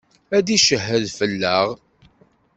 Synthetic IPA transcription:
æd̪iʃəɦːəðfəlːəʁ

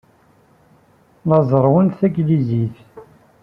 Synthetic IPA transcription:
lɑzˤəɾˤwənθæɡliziθ

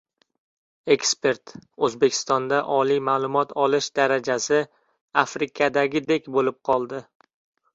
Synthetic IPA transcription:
e̞kspe̞ɾt̪ɵzbekʲʰɪ̥st̪ɒnd̪aʔɒlijmaːlˠʊmɒt̪ʰɒlɪʃd̪aɾad͡ʒasɪ | afɾɪkʰad̪aɡʲɪd̪e̞kʲbolɪp̚qʰɒlˠd̪ɪ

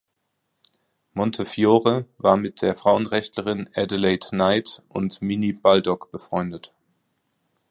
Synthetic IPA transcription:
mɔntʰəfjoːʁəvaːɐmɪt̚d̥eːɐfʁ̥aʊənʁɛçtləʁɪnʔɛdəleɪtnaɪtʔʊ̰ntminib̥aldɔkb̥əfʁ̥ɔʏndət

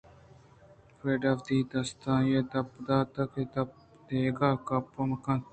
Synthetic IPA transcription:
kɾeːɖafd̪iːt̪ɐst̪ãːjeːt̪ɐpd̪aːt̪ɐket̪ɐp̚ | d̪eːɡaːkɐpːɐmkã

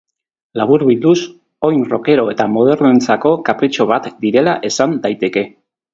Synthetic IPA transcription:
laβ̞uɾβild̪us | o̞jnro̞̰ke̞ɾo̞e̞t̪amo̞ð̞e̞ɾnent͡sako̞kapɾit͡ʃo̞β̞at̪d̪iɾe̞laʔe̞sand̪ajt̪e̞ke̞

